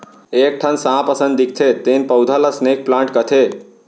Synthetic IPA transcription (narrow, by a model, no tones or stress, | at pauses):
ek̚ʈʰənsãpəsə̃nd̪d̪ik̚ʰt̪ʰet̪enpəwd̪ʱələsnek̚plãːɳʈkət̪ʰe